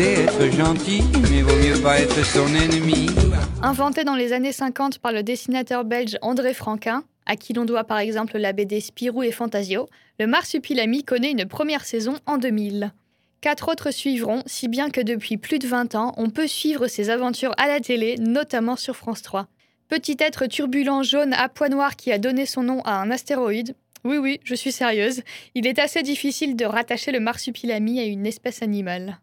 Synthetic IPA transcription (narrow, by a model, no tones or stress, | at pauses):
ɛɛt̪χəʒɑ̃t̪imɛvomjøpaɛt̪χəsɔ̃nɛnmiɛ̃vɑ̃t̪ed̪ɑ̃lezanesɛ̃kɑ̃t̪paʁləd̪esinat̪œʁbɛlʒɑ̃d̪ʁefχɑ̃kɛ̃ | a̰kʲʰilɔ̃d̪wapaʁɛɡzɑ̃pllabed̪espiʁuefɑ̃t̪azjo | ləmaʁsypilamikɔnɛynpχəmjɛʁsɛzɔ̃ɑ̃d̪əmil | kat̪χot̪χəsɥivʁɔ̃sibjɛ̃kəd̪əpɥiplyd̪əvɛ̃t̪ɑ̃ʔɔ̃pøsɥivʁəsezavɑ̃t̪ʰyʁalat̪elenɔt̪amɑ̃syʁfχɑ̃st̪χwa | pət̪it̪ɛt̪χət̪yʁbylɑ̃ʒona̰pwanwaʁkʲiad̪ɔnesɔ̃nɔ̃ʔaɛ̃nast̪eʁɔid̪ | wiwiʒəsɥisɛʁjøːzilɛt̪ased̪ifisild̪əʁat̪aʃeləmaʁsypʰilamiaynɛspɛsanimal